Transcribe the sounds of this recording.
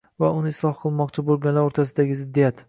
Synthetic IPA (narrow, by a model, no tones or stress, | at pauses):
vaʊnɪɪslˠɒhqʰɨlˠmɒqt͡ʃʰɪbolˠɡʲanlaɾoɾt̪ʰas̬ɪd̪aɡʲɪzɪd̪ːijat̪